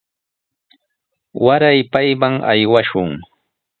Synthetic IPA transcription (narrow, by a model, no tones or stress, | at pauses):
waɾajpajmaŋa̰jwaʃʊŋ